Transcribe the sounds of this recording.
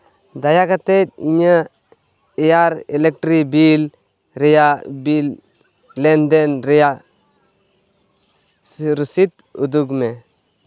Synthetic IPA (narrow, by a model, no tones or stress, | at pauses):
d̪ajakat̪et̚iɲə | ejaɾelek̚ʈɾibil | ɾejabil | lend̪enɾeja | ɾusit̪ | ṵd̪uɡme